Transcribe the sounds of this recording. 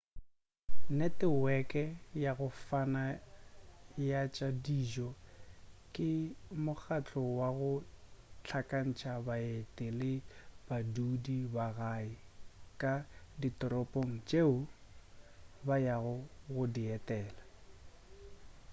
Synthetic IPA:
nɛtɪwɛkʼɛjaɣʊfana | jat͡ʃʼadid͡ʒɔ | kʼɪmʊk͡xat͡ɬʼɔwaɣʊt͡ɬʰakʼan̩t͡ʃʰabaetʼɪlɪb̥adudibaɣaɪkʼaditʼɔɾɔpʼoŋ̩t͡ʃʼeʊ | bajaɣʊɣʊdiɛtʼɛːla

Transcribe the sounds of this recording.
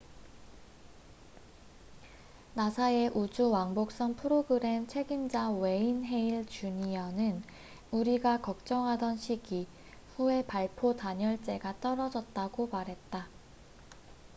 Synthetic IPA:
nasʰae̞ʔud͡ʑuwaŋbok̚s͈ʌnpʰɯɾoɡɯɾe̞mt͡ɕʰe̞ɡind͡ʑawe̞inɦe̞iɭt͡ɕuɲijʌnɯn | uɾiɡakʌk̚t͡ɕ͈ʌŋɦadʌnɕʰiɡi | ɸue̞paɭpʰotaɲʌɭt͡ɕ͈e̞ɡat͈ʌɾʌd͡ʑʌt̚t͈aɡomaɾɦe̞t̚t͈a

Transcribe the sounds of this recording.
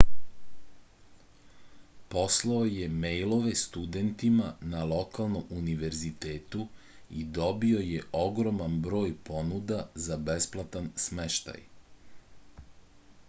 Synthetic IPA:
po̞slˠaoje̞mejlˠo̞ʋe̞st̪ud̪ent̪imanalˠo̞kalˠno̞muniʋe̞ɾzit̪eːt̪u | id̪o̞bio̞jeʔo̞ɡɾo̞manbɾo̞ːjpo̞nud̪azabe̞splˠat̪ansmeʃt̪a̰j

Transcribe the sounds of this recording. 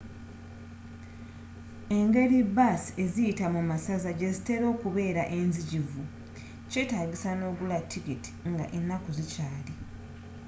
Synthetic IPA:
e̞ŋɡe̞ɾibasie̞zijitamumasazaɟe̞zite̞ɾo̞ːkuβe̞ːɾaʔe̞nziɟivu | ce̞taːɡisano̞ːɡulatʰːiɡiti̥ŋɡa̰ʔenːakuzicaːli

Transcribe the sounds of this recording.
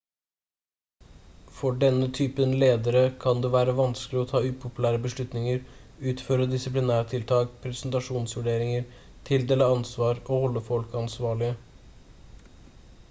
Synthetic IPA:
fɔɖɛnːət̪ʰyːpənleːd̪əɾəkʰɑnd̪ʉːʋæːɾəʋɑnsklɪɔt̪ʰɑːʉːpʰʊpʉlæːɾəbəʂɭʉt̪nɪŋəɾʉːt̪føːɾəd̪ɪsɪplɪnæːʈ̪ʰɪlt̪ʰɑːkpʰɾɛsnt̪ɑʂuːnsʋʉɖeːɾɪŋəɾ | t̪ʰɪld̪eːləɑnsʋɑːɾoːhɔlːəfɔlkɑnsʋɑːɭɪə

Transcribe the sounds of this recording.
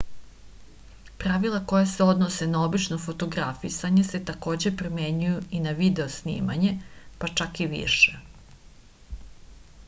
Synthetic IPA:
pɾaʋilˠako̞jase̞o̞d̪nose̞nao̞bit͡ʃno̞fo̞t̪o̞ɡɾafisaɲese̞t̪ako̞ːd͡ʑe̞pɾomeɲujuinaʋid̪e̞osnḭːma̰ɲe̞pat͡ʂakiʋḭʃe

